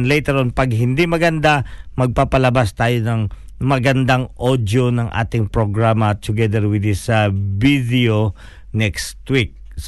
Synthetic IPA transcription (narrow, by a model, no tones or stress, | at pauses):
nlɛjt̪ɛɾonpɐɡɦɪnd̪imɐɡɐnd̪amɐɡ̚papɐlɐbast̪aːjonɐŋ | mɐɡɐnd̪aŋʔod̪jonɐŋʔa̰ːt̪ɪŋpɹoɡɹamɐt̪ʊɡɛd̪ɛɹwɪd̪ɪsvid̪ɛo | nɛkst̪wik̚ | s